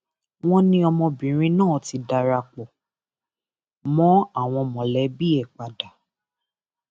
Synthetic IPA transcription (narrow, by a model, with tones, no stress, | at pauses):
w̃ɔ̃˦nĩ˧ɔ˧mɔ̃˧bĩ˨ɾ̃ĩ˧˦nãː˦˨ti˧˦da˧ɾa˧k͡pɔ˨ | mɔ̃˦a˦˨w̃ɔ̃˧mɔ̃˨lɛ˨˦bi˦ɛ˦˨k͡pa˨da˨